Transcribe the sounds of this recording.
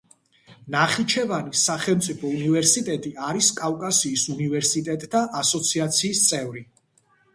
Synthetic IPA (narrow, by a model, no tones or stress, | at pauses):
naχit͡ʃʰɛvanisaχɛlˠmt̪sʼipʰɔunivɛɾsit̪ʼɛt̪ʼiaɾiskʼavkʼasiːsunivɛɾsit̪ʼɛt̪ʼd̪ʰaʔasɔt̪sʰiat̪sʰiːst̪sʼɛvɾi